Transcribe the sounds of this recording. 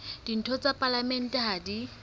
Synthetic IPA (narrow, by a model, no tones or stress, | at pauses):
d̥in̩tʰɔt͡sʼapʼalamɛn̩tʼɛɦadi